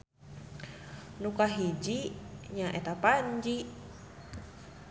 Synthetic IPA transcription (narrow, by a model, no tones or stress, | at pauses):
nukaɦid͡ʒiɲaʔet̪apaɲd͡ʒi